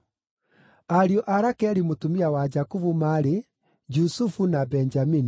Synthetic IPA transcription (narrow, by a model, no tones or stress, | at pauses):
aɾiɔʔaɾakɛɾimotumiawad͡ʒakuvumaɾe | d͡ʒusufunabɛnd͡ʒamini